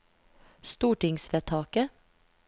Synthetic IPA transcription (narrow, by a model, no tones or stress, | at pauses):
st̪uːʈɪŋsʋeːt̪ʰɑːkə